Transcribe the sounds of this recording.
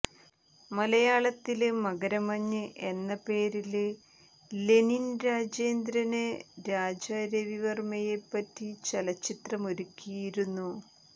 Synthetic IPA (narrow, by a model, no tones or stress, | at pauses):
mɐlɐjaːɭɐt̪ːilɨmɐɣɐɾɐmɐɲːɨʔe̞nːɐpe̞ːɾil | le̞ninɾaːd͡ʑeːnd̪ɾɐneɾaːd͡ʑaːɾɐʋiʋɐrmɐjepːɐtːit͡ɕɐlɐt͡ɕːit̪rɐmo̞ɾukʲːijiɾunːu